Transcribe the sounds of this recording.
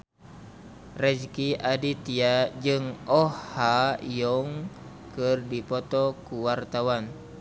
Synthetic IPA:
rɛd͡ʒkiʔadit̪iad͡ʒɨŋɔhaijɔŋ | kɨrdipɔt̪ɔkuwart̪awan

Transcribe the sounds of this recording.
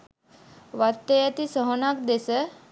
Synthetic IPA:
ʋat̪ːejat̪isəɦonakd̪esə

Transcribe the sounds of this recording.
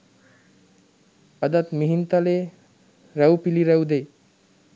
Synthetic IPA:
əd̪at̪miɦint̪ale | ɾəwpiliɾəwd̪ej

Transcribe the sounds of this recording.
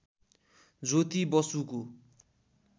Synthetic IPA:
d͡zot̪ibʌsuko

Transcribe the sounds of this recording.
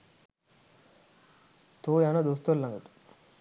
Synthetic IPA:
t̪oːjaːnɐd̪os̬t̪olːaŋɡəʈ

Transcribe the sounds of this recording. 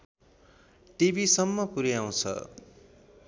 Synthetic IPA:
ʈibisʌmːʌpuɾjaw̃t͡sʰʌ̰

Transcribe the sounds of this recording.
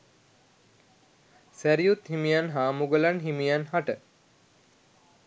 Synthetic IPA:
sæɾijut̪himijanɦaːmuɡəlanɦimijanɦaʈə

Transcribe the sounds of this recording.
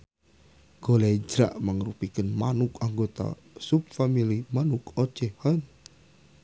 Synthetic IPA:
ɡ̥oled͡ʒɾa̰ʔməŋɾupikənmanukaŋɡot̪a̰ | sup̚familimanukot͡ʃehɔn

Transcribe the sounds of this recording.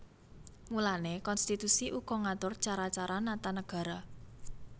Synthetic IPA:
mulanekɔnst̪it̪usiʔukɔŋat̪ʊrt͡ʃaɾat͡ʃaɾanat̪anəɡ̥ä̤ɾa

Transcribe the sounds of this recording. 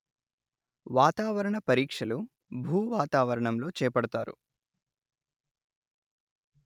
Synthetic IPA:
ʋaːt̪aːʋɐɾɐɳɐpɐɾiːkʂɐlu | bʱuːʋaːt̪aːʋɐɾɐɳɐmlo̞ːt͡ʃɛːpɐɽɐt̪aːɾṵ

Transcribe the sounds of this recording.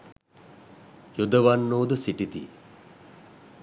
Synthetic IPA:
jud̪əʋanːoːd̪əsiʈit̪ḭ

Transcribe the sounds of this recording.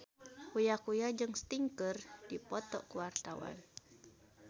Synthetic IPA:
kujakujad͡ʒɨŋst̪iŋkərd̥ipɔt̪ɔ̰kuwart̪awa̰n

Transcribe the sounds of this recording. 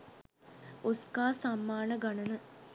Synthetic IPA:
oskaːsamːaːnəɡanənə

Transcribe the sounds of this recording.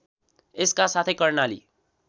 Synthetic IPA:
eskasat̪ʰekʌrnalḭ

